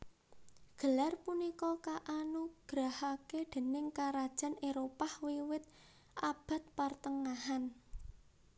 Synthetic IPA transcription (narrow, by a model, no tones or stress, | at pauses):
ɡ̥əlarpunikɔkaʔanuɡ̥ɾahaked̪̥e̤nɪŋkaɾad̥ʒ̥a̤neɾopahwiwɪt̪̚ | ʔab̥a̤t̪̚part̪əŋahan